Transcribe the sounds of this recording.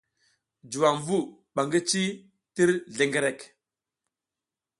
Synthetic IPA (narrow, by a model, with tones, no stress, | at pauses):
d͡ʒu˨wa˨ŋvu˦˨ | ɓa˨ŋɡə˦t͡ʃi˦ | ti˦ɾɮe˨ŋɡe˨ɾe˨k